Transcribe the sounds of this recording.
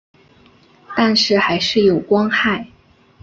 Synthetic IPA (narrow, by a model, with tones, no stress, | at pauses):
t̪a˥˧nʂɻ̩˥˩xa˧˥ɪʂɻ̩˥˩jo˨˩ʊkwɑ˥ŋxa˥˩ɪ